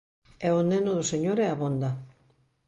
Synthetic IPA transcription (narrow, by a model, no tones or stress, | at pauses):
ɛonenoðʊseɲoɾɛaβond̪a